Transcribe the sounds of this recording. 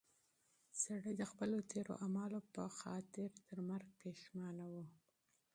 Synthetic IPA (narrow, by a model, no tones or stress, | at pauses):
saɽəjd̪əxpəlot̪eɾo̰ʔamɑlopəxɑt̪ɪɾt̪əɾmaɾɡ̚peʃmɑnawu